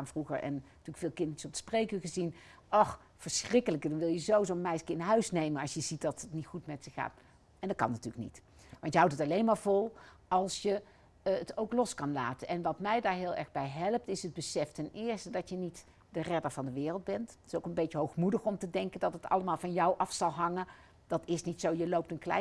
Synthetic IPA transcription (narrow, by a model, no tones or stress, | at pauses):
aːnvruχə̰ɹɛ̰n | tyːləkfɪːlˠkɪndəɹəsɔp̚ə̥sprejkəχəzin | ʔɔx | fəɹsrɪkələkədɑnʋɪlˠjəzowzonmɛjskɪnɦœɥsnejmənɑlˠsjəzit̚dɑtətnitχutmɛtsəxa̰ːt | ɛndɑtkɑ̰nːatyːlək̚nḭt | ʋɑntjəɦawtətɑlejnmaːɹvɔlˠ | ɑlˠsjə | ətowklɔskɑnla̰ːtənʔɛnʋɑtmɛjdaːɹɦɪːlˠɛ̰ɹɣbɛjɦɛlˠəp̚tɪsəd̚bəsɛftɛnɪːɹstədɑtjənit | d̥ərɛdəɹvɑndəʋɪːrəlˠd̚bɛnttɪ̥sowkənbejtəɦowxmudəxɔmtədɛŋkəndɑtətɑ̰ləmaːlˠvɑnjɔwʔɑfsɑlˠɦɑŋə | d̥ɑtɪsnitsowjəlowp̚tənklɛ̰